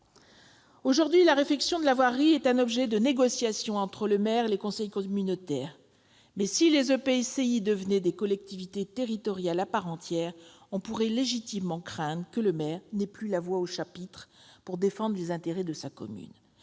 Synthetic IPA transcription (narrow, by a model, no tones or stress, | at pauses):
oʒuʁd̪ɥilaʁeflɛksjɔ̃d̪əlavwaʁːiɛt̪ɛ̃nɔbʒɛd̪əneɡɔsjasjɔ̃ɑ̃t̪χələmɛʁelekɔ̃sɛjkɔmynot̪ɛːʁ | mɛsilezøpeseid̪əvənɛd̪ekɔlɛk̚t̪ivit̪et̪eʁit̪ɔʁjalapaʁɑ̃t̪jɛːʁ | ɔ̃puʁɛleʒit̪imːɑ̃kχɛ̃d̪ʁəkələmɛʁnɛplylavwaoʃapit̪χpuʁd̪efɑ̃d̪ʁlezɛ̃t̪eʁɛd̪əsakɔ̰my̰n